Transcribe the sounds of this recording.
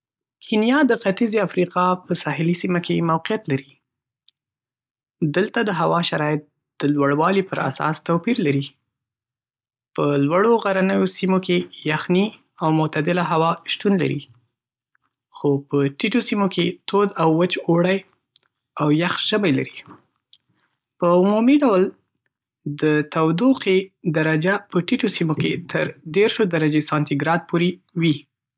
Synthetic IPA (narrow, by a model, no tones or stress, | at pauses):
kʰinijɑd̪əxat̪izeafɾiqɑpəsɑhɪlisimakʰemawqijat̪laɾi | d̪əlt̪ad̪əɦawɑʃaɾɑɪt̪̚ | d̪̥əlwaɽwɑlipəɾa̰sɑ̰st̪apiɾlaɾi | pəlwaɽoɣaɾanəjosimokejaxni | awmʊt̪ad̪ɪlaɦawɑʃt̪unla̰ɾi | xopəʈiʈosimokʰet̪od̪awːət͡ʃoɽaj | awjaxʒ̥əbajla̰ɾi | pəʊmumiɖawl | d̪ət̪awd̪uqed̪aɾad͡ʒapəʈiʈosimoket̪ʰəɾd̪eɾʃod̪aɾad͡ʒesɑnt̪iɡɾɑd̪̚poɾewi